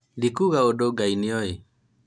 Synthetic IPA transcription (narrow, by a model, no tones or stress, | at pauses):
dikuɣaodoɡainiɔe